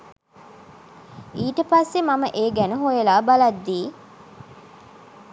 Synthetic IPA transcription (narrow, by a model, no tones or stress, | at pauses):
iːʈəpasːemaməʔeːɡænuɦojelaːbalɐd̪ːiː